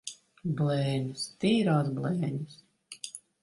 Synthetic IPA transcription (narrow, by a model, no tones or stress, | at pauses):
blˠɛːɲʲust̪iːɾɔːzblˠɛːɲʲus